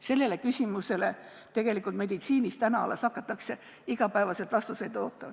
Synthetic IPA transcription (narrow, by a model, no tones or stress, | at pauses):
se̞lːe̞le̞kysʲimuse̞le̞ | t̪e̞ɡ̥e̞likːˑult̪me̞d̪it̪siːnist̪ænɑɑ̰lɑsɑkːˑɑt̪ːˑɑkse̞ | iɡ̥ɑpæevɑset̪vɑst̪use̞jd̪̥oːt̪ːˑɑ